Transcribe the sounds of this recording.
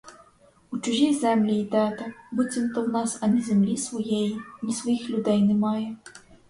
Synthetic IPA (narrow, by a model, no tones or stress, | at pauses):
ut͡ʃʊʒʲijzɛmlʲiːt̪ɛt̪ɐbut͡sʲːimt̪ɔwnɑsɐnʲizemlʲisʋɔjejinʲisʋɔjixlʲʊd̪ɛjnɛmɑjɛ